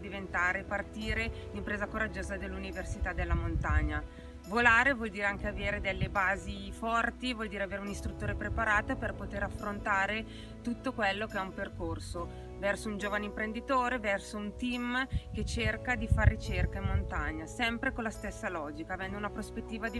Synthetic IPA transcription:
d̪ivent̪aːɾepart̪iːɾed̪impɾeːzakoɾad͡ʒːoːzad̪elːuniversit̪ad̪elːamont̪aɲːa | volaːɾevwɔld̪iːɾeaŋk̟eaveːɾed̪elːebaːzifɔrt̪ivwɔld̪iːɾeaveːɾeunist̪ɾut̪ːoːɾepɾepaɾaːt̪operpot̪eɾafːɾont̪aːɾe | t̪ut̪ːokwɛlːokeɛumperkorso | vɛrsound͡ʒoːvaneimpɾend̪it̪oːɾevɛrsount̪imk̟et͡ʃerkad̪ifarːit͡ʃerkaimːont̪aɲːasɛmpɾekolːast̪esːalɔːd͡ʒikaːvɛnd̪ounapɾospet̪ːiːvad̪i

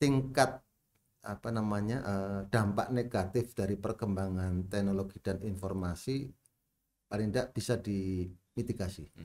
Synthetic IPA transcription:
t̪iŋkat̪̚ | apanamaɲaʔəd̥ampa̰ʔneɡat̪ɪfd̥aɾipərkəmbaŋant̪ɛk̚noloɡid̥aninfɔrmasi | palɪŋdaʔb̥isadimit̪iɡasi

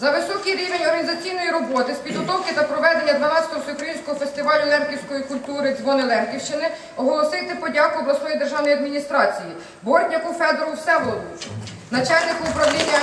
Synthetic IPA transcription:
zɐʋɪsɔkijɾʲiʋenʲɔrɦɐnʲizɐt͡sʲijnɔjiɾɔbɔt̪ɪspʲid̪ɦɔt̪ɔwkɪt̪ɐpɾɔʋɛd̪e̞nʲːɐd̪ʋɐnɑst̪ɔsʲɔukɾɐjinʲsʲkɔɦɔfest̪ɪʋɑlʲʊlˠɛnkʲiwsʲkɔjikʊlʲt̪uɾɪzʋɔnɪlˠɛnkʲiwʃt͡ʃɪnɪ | ɔɦɔlˠɔsɪt̪ɪpɔdʲakʊbɾˠɐsɔjijd̪erʒɑwnɔjɐd̪mʲinʲist̪ɾɑt͡sʲiji | bɔrtʲnʲɐkʊfɛd̪ɔɾusɛʋˠɔlˠu | nɐt͡ʃalʲnɪkʊʊpɾɐwlʲinʲːɐ

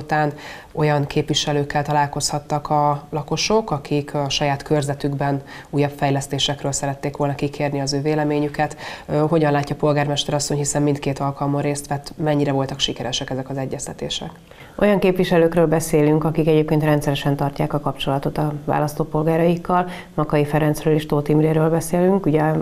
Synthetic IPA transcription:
t̪aːn | o̞jɒŋkʰeːpʋiʃɛløːkːɛlt̪ɒlaːlko̞shɒt̪ːɒkɒlɒko̞ʃokɒkikʃɒjaːt̪kørzɛt̪yɡbɛn | uːjɒpfɛjlɛst̪eːʃɛkrøːlsɛɾɛt̪ːeːkʋo̞lnɒkikʰeːrniɒzøːveːlɛmeːɲykɛt̪ɦo̞ɟɒnlaːcːɒpo̞lɡaːrmɛʃt̪ɛɾɒsːo̞ɲhisɛmːint̪keːt̪ɒlkɒlmoreːst̪ʋɛt̪ːmɛɲːiɾɛvo̞lt̪ɒkʃikɛɾɛʃɛkɛzɛkɒzɛɟːɛst̪ɛt̪ḛːʃɛ̰k | o̞̰jɒŋkeːpʋiʃɛløːkrøːlbɛseːlyŋkɒkikɛɟeːp̚keːnt̪rɛnt̪sɛɾɛʃɛnt̪ɒrcaːkɒkɒpt͡ʃo̞lɒt̪o̞t̪ɒva̰ːlɒst̪oːpo̞lɡaːɾɒjikːɒl | mɒkɒjifɛɾɛnt̪srøːleːʃt̪oːt̪imreːɾøːlbɛseːlyŋkuɟɛ

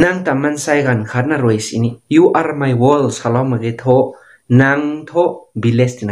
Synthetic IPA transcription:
naŋt̪amansajɡankʰat̚naɾojsḭnijuʔaɾmajwɔlsalawmaɡet̪ʰɔ | naŋt̪ʰɔbilest̪ina

